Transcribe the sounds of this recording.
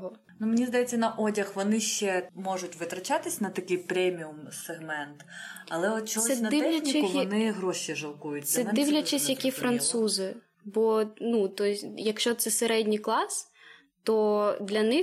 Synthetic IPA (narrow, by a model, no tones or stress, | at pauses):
ɔ | numenʲizd̪ɐjɛt͡sʲːɐnɐʔɔdʲɐxʋɔnɪʃt͡ʃɛmɔʒʊtʲʋɪt̪ɾɐt͡ʃɑt̪ɪsʲnɐt̪ɐkɪjpɾʲɛmʲiʊmseɦmɛnt̪ɐlˠɛɔt̪̚t͡ʃɔɔsɛnɐɪlʲɐxnʲiɪkʊʋɔnɪɦɾɔʃiʒɐlˠkujʊt̪ʲːsɛɐd̪ɪwlʲɐt͡ʃɪsʲjɐkʲifɾɐnt̪suzɪ | bɔnut̪ɔsʲjɐkʃt͡ʃɔt̪sɛseɾɛdʲnʲiklˠɑs | t̪ɔd̪lʲɐnɪ